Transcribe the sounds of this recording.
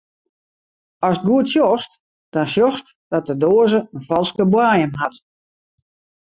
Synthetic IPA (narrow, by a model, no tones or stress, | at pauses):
ɔs̚ɡuətsjɔst | d̥ɔnsjɔxstd̥ɔt̚dədoːəzəənfɔlˠskəbwaːjəmɦat